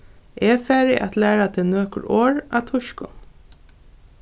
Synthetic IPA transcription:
ʔeːfæːɹɪʔat̪læːɹat̪ʰɪnøːkə̰ɹʔoːɹɑ̰ːt̪ʰʊʃkʊ̰n

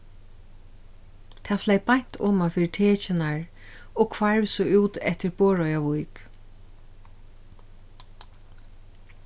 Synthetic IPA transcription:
t̪ʰaːflɛjpajɲ̥t̪ʰɔ̰ːmafiːɾɪt̪ʰeːt͡ʃɪnaɹ | ɔkʰvaɹʋsɔʔuːt̪ɛht̪ɪɹboːɹɔjaʋujk

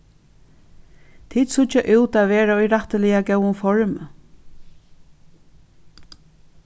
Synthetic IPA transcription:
t̪ʰiːd̪sʊt͡ʃaʔʉwt̪aːʋeːɹaɔjɾaht̪əlɪjaɡɛwʊnfɔɹm

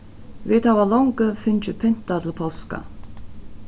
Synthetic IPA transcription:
ʋeːt̪ʰɑʋɑːlɔŋɡəfʏnt͡ʃəpʰʏn̥t̪at̪ʰɪlpʰoska̰

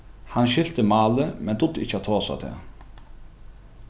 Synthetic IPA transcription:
hanɕɪl̥t̪əmaːləmɛnt̪ʊd̪ɪcːəat̪ʰoːsa̰t̪ʰɛ̰ː

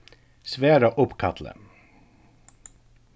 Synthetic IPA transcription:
sʋeːɾɑʔʊpkʰɑt̪lə̰

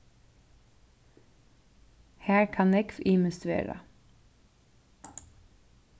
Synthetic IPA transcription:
hæːɹkʰɑnɛkfʔiməst̪ʉḛːɹɑ̰

